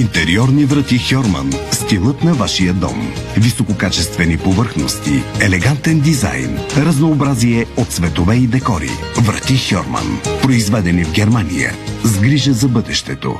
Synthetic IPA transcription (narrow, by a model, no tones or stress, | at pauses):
int̪ɛɾiɔɾnivɾɐt̪ixɔɾmɐ̰nst̪ilˠət̪nɐvaʃijəd̪ɔ̰mvisokokat͡ʃɛst̪vɛnipovəɾxnost̪iɛlɛɡant̪ɛnd̪iza̰jnɾɐznoːbɾaziɛot̪svɛt̪ovɛid̪ɛkɔɾḭ | vɾɐ̰t̪ixʲɔ̰ɾmə̰npɾoizvɛd̪ɛnivɡɛɾmanḭjə̰zɡɾiʒəzɐbɤd̪ɛʃt̪ɛt̪o̰